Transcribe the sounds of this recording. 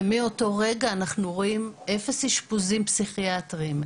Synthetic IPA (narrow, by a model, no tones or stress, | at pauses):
mio̞to̞ʁeɡaːnaχnuʁoimefeshiʃpuzimpsiχiatʁim